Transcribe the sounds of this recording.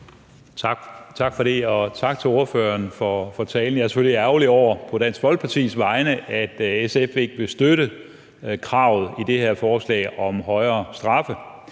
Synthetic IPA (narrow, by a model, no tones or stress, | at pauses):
t͡sʰɑ̈ɡ̥fɒ̽ɾe̝ɒ̽t͡sʰɑ̈ɡ̥̚t͡sʰe̝lo̝ɐføɐnfɒfɒ̽t͡sʰɛːln̩jɑ̈æɐse̥føliæʊliɒʊ̰ɐpʰɒ̽d̥æn̰sɡ̥ʋɒ̽lɡ̥̚pʰɑ̈t͡sʰḭːsʋɑ̈ɪnəʔæd̥esefʋeɡ̥ʋe̝sd̥øɾə | kʰʁɑ̈ʊð̩ˠid̥e̝heɐ̰fɒːslɛ̰ːɒ̽mɦɒ̽ɪɐːsd̥ʁɑ̈fə